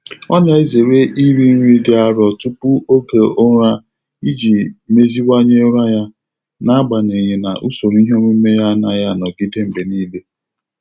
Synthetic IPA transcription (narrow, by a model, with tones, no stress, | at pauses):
ɔ̰˦n˦a˨˦e˦ze˨ɾe˦ʔi˦ɾi˦n̩˦ɾi˦dɪ˦a˦ɾɔ˨tu˦pu˦o˦ke˨o˦ɾa˦ | i˦d͡ʒi˨me˦zi˦wa˦ɲe˦ɾa˦ja˦ | na˦a˦ɡ͡ba˨ne˨ɲe˨na̰˨ʔu˦so˨ɾi˦ɦe˦o˦mʷe˦me˦ja˦na˨ja˦˨nɔ˨ɡi˦de˦m̩˨be˨niː˦le˦